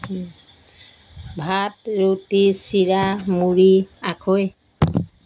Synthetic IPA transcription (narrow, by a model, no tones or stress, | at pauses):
bʱatɹutisiɹamuɹiakʰoj